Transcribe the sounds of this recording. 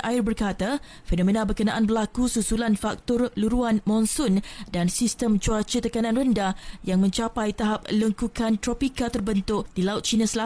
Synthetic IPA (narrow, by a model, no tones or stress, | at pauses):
ʔaɪrbərkat̪a | fenõmẽnabərkənãʔanbərlakususulanfak̚t̪ɔrluɾuanmɔ̃nsʊndansist̪əmd͡ʒuat͡ʃət̪əkanãnrəndajaŋmə̃ɲt͡ʃapajt̪aɦap̚ləŋkukant̪ɾopikat̪ərbənt̪ʊʔd̥ilaʊt̪̚t͡ʃinasəla